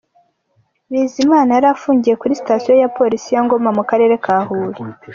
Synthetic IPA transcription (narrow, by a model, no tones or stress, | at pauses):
βiːzimaːnaaɾafuːɲɟije̞kuɾisi̥tasijo̞japo̞ɾisijaŋɡo̞mamukaɾe̞ːɾe̞kʰaːhuːɾi